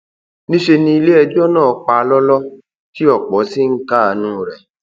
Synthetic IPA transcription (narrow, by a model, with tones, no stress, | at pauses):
nĩ˦ʃe˧nĩ˧i˧le˦ɛ˧d͡ʒɔ˦nãː˦˨˦k͡pa˧˦lɔ˦lɔ˦ | ti˦ɔ˦˨k͡pɔ˨˦si˦ŋ̩˦ka˦˨a˨nũː˦˨ɾɛ˧˨